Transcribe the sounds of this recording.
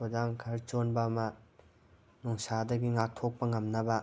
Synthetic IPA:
od͡ʒaŋkʰɐɾt͡ʃonbɐːmɐ | nuŋsadɐɡiŋak̚tʰok̚pɐŋɐmnɐbɐ

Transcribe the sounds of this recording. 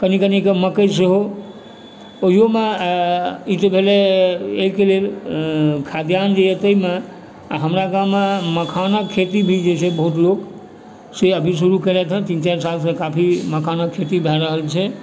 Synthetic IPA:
kənikənikeməkəseɦo | oɦijome | it̪ebʱeleekelel | kʰad̪jand͡ʒejɛt̪əime | aɦəmɾakameməkʰanakʰːet̪ibʱid͡ʒet͡ʃʰɛbəɦut̪lok | seəbʱisuɾukəlɛt̪ɦə̃t̪ĩnt͡ʃaɾsalsə̃kapʰiməkʰanakʰet̪ibʱɛɾəɦəlt͡ʃʰɛ

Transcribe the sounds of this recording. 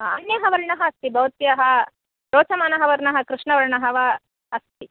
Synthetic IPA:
ɐ̰njɐɦɐʋɐɾɳɐɦɐɐst̪ibɐʋt̪jɐɦɐ | ɾoːt͡ʃɐmaːnɐɦɐʋɐɾɳɐɦɐ̆kɾɪʂɳɐʋɐɾɳɐɦɐʋɐ | ɐst̪i

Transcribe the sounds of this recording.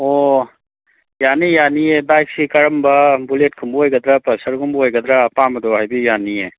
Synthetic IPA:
o | jaːnijaːniebaːksikɐɾəmbɐbuleːʈ̚kʰɐmboːjɡɐd̪ɾapɐsɐɾɡumboːjɡɐd̪ɾapaːmɐd̪oaibijaːnie

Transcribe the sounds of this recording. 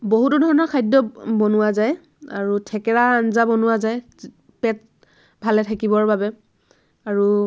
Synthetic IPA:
boɦutudʱɔɹɔnɔɹkʰajdɔbonʊwazaj | aɹutʰɛkɛɹaːnzabɔnʊwazaj | pɛt̚ | bʱalɛtʰakibɔɹbabɛ | aɹu

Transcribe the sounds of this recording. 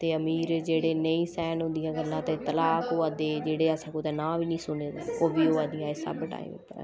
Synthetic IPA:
t̪eːəmiːɾd͡ʒeːɽeːnəĩːsɛːnɦʊ̃nd̪ɪjãːɡəlːãːt̪eːt̪əlaːkoːaːd̪eːd͡ʒeːɽeːaːsãkoːt̪ɛ̃ːnãːʋiːnĩːsʊneːd̪aːoːbiːoːaːd̪ijãːesə̰bʈa̰ːḭ̃mɪ̰pːəɾa̰

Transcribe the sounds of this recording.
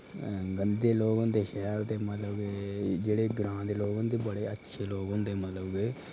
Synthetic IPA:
ɡənd̪d̪eːloːɡõnd̪eːʃɛːɾt̪eːmət̪ləbɡeːd͡ʒeːɽeːɡɾãːd̪eːloːɡõːnd̪eːbəɽeːətːʃʰeːloːɡõnd̪eːmət̪ləbɡeː

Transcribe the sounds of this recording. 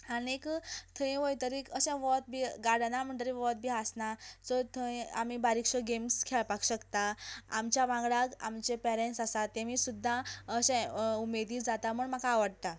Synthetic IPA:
aniekt̪ʰəĩʋojt̪əɾiːkəɕɛ̃ʋɔt̪̚bʱiːɡaɽnam̤əɳt̪əɾiʋɔt̪̚bʱiasnasɔt̪ʰəĩamibaɾikʂəɡemskʰeɭpakɕəkt̪aa̰mt͡ɕjaʋãŋɡɭaka̰mt͡ɕepɛɾeɳʈsasat̪ːeʋiːsud̪ʱːaəɕɛ̃umed̪iːd͡zat̪aməɳm̤akaːʋəɽt̪a

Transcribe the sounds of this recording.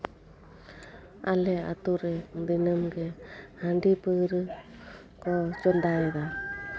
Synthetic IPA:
a̰lɛa̰t̪uɾɛd̪inəmɡɛhaɳɖipəɾɯ | kɔd͡ʒɔnd̪aɛd̪a

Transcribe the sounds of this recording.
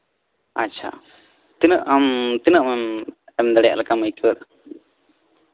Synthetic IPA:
atːt͡ʃʰa̰ | t̪inəʔamt̪inəʔmɛmɛmd̪aɽɛjaʔlɛkaməjkiwɛɾ

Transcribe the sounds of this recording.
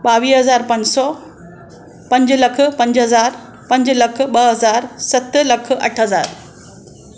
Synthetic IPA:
ɓaʋiːsɦɐzaːɾpə̃ɲd͡ʑsɔ | pə̃ɲd͡ʑləkʰpɐ̃ɲd͡ʑɦəzaːɾ | pɐ̃ɲd͡ʑləkʰɓəɦəzaːɾsɐt̪ːlɐkʰə̰ʈʰɦəzaːɾ

